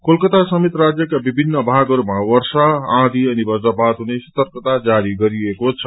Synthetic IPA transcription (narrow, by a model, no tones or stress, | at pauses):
kolkʌt̪asʌmit̪rad͡zjʌkabibʱinːʌbʱaɡʌɾumawʌɾsaãd̪ʱiʌnibʌd͡zʌpat̪ɦunesʌ̥t̪ʌrkt̪ad͡zaɾiɡʌɾiekot͡sʰʌ̥